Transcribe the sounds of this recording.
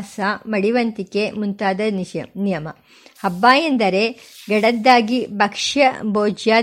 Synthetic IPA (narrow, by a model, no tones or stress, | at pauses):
samɐɽiʋɐnt̪ikemunt̪aːd̪ɐɐnijɐmɐ | hɐbːaːjɐnd̪ɐɾeɡɐɽɐd̪ːaːɡibʱɐkʂjɐboːd͡ʒjaː